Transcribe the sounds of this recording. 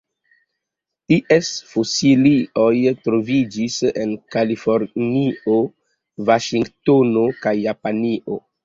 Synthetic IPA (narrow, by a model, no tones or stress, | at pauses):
iʔesfosilio̞jtɾo̞vid͡ʒise̞̰nkalifo̞ɾnio | vaʃiŋɡtono̞kajːapaniʔo̰